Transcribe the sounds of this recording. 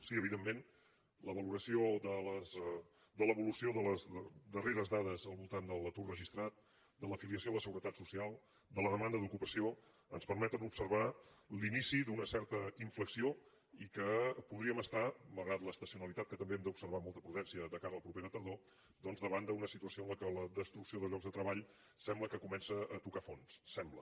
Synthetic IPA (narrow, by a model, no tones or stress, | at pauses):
siəβiðemːen | ləβəluɾəsioðələz | d̪ələβulusioðələzəd̪əreɾəzðaðəzəlˠβulˠt̪and̪əlˠt̪urrəʒist̪ɾat̪̚ | d̪ələfiliəs̬ioləsəɣuɾət̪at̪susialˠ | d̪ələðəmand̪əðukupəsio | ənspəɾmɛt̪ənupsəɾβalinisid̪unəsɛɾt̪əiɱfləksio | ikəpuðɾiəməst̪aməlˠɣɾat̪ləst̪əsiunəlit̪at̪kət̪əmbeɛmd̪əupsəɾβ̞amolˠt̪əpɾuðɛnsiəðəkaɾəːlˠpɾupeɾət̪əɾðo | d̪ɔnzðəβand̪əunəsit̪uəsioənləkələðəst̪ɾuksioðəʎɔɡzðət̪ɾəβaʎ | sɛmbləkəkumɛnsəət̪ukafonsːɛmblə